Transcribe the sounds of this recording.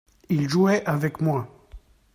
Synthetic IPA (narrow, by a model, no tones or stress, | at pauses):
ilʒuɛʔavɛkmwa